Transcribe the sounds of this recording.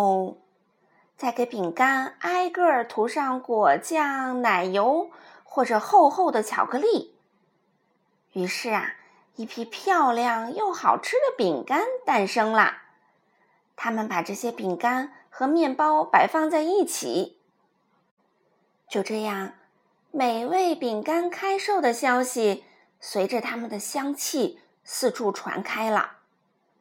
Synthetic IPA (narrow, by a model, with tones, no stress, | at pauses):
t͡sa˥˩ɪke˧˥ɪpi˨˩ŋka˥na˥ɪkɤ˥˩ə˨˩t̪ʰu˧˥ʂɑ˥˧ŋkwɔ˨˩t͡ɕjɑ˥˩ŋna˨˩ɪjo˧˥ʊxwɔ˥˩ʈ͡ʂɤ˨˩xo˥˧ʊxo˥˩ʊd̪ə˩t͡ɕʰjɑ̰˨˩ʊkɤ˧˥li˥˩ | y˧˥ʂɻ̩˥˩ɐ̰˨˩ | i˥˩pʰi˥pʰjɑ˥˧ʊljɑ˥˧ŋjo˥˩ŋxɑ˨˩ʊʈ͡ʂʰɻ̩˥d̪ə˨pi˨˩ŋka˥nt̪a˥˩nʂɤ˥ŋlə̰˩ | t̪ʰa˥mə˨npa˨˩ʈ͡ʂɤ˥˩ɕjɛ˥pi˨˩ŋka˥nxɤ˧˥mjɛ˥˩npɑ˥ʊpa˧˩ɪfɑ˥˧ŋt͡sa˥˧ɪi˥˩t͡ɕʰḭ˨˩˦ | t͡ɕjo˥˧ʊʈ͡ʂɤ˥˧jɑ˥˩ŋ | me˨˩ɪwe˥˩ɪpi˨˩ŋka˥nkʰa˥ɪʂo˥˩ʊd̪ə˩ɕjɑ˥ʊɕi˨ | swe˧˥ɪʈ͡ʂə˧t̪ʰa˥mə˨nd̪ə˩ɕjɑ˥ŋt͡ɕʰi˥˧ | sɹ̩˥˧ʈ͡ʂʰu˥˩ʈ͡ʂʰwa̰˧˥nkʰa˥ɪlə̰˩